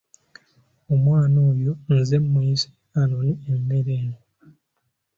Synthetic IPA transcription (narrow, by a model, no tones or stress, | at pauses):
omwaːnoːjonzemːuisi̥ | anonienːeɾeːno